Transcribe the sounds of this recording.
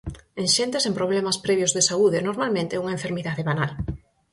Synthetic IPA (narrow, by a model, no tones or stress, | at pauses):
eŋʃent̪esempɾoβ̞lemaspɾɛβjozðesauðenoɾmalmẽnt̪euŋaẽɱfeɾmiðaðeβanal